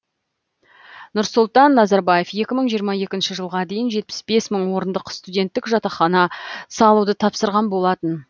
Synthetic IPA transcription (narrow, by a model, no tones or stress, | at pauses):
nʊɾsʊlˠt̪ɑnːɑzɑɾbɑje̞fje̞kʲɪməɴʒijəɾmɑje̞kʲɪnʃɪʒəlˠʁɑd̪e̞jɪnʒe̞t̪̚pɪ̥sbe̞sməɴwo̞ɾənd̪əqst̪udʲe̞nt̪ːɪkʒɑt̪ɑχɑnɑsɑlˠud̪ət̪ʰɑpsəɾʁɑnbo̞lˠɑt̪ən